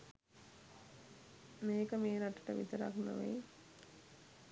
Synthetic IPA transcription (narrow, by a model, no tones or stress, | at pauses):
meːkəmeːnaʈə̥ʈə̰ʋḭt̪əɾa̰kno̰ʋḛ